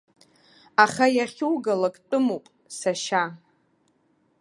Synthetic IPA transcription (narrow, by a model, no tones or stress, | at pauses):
aχajaχʲuwɡalakʼtʷʼʊmowpʼ | saʃa